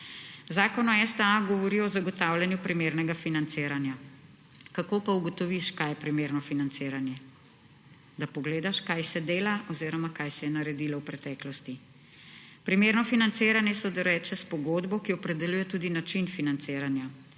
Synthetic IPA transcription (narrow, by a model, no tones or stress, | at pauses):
zaːkɔnɔɛst̪aɡɔʋɔɾiɔzaɡɔt̪aːwlʲjanjupɾimeːɾnɛɡafinant̪seːɾanja | kakoːpauɡɔt̪ɔʋiʃkajɛpɾimeːɾnɔfinant̪seːɾanjɛ | d̪apɔɡleːd̪aʃkajsɛd̪eːlaʔɔziːɾɔmakajsɛjɛnaɾɛd̪ilɔwpɾɛt̪ɛːklɔst̪i | pɾimeːɾnɔfinant̪seːɾanjɛsɔd̪ɛɾɛt͡ʃɛspɔɡoːd̪bɔkiɔpɾɛd̪ɛljuːjɛt̪uːd̪inat͡ʃinfinant̪seːɾanja